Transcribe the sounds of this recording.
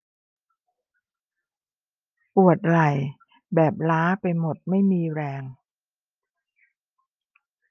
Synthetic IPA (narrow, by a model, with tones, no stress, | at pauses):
ʔu˨˩ət̪̚la˨˩j | bɛː˨˩p̚laː˦˥pa˧jmo˨˩t̪̚ma˥˩jmiː˧ɾɛː˧ŋ